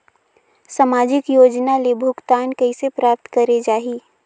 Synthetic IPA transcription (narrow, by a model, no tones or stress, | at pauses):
samaːd͡ʒɪkjoːd͡ʒnalebʱʊɡt̪aːnkɐisepɾaːp̚t̪kəɾed͡ʒaːɦiː